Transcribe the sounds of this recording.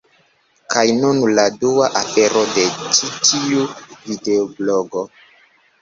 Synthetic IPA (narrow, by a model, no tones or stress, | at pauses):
kʰajnunladuaʔafe̞ɾo̞de̞t͡ʃitʰiuvide̞obloɡo̞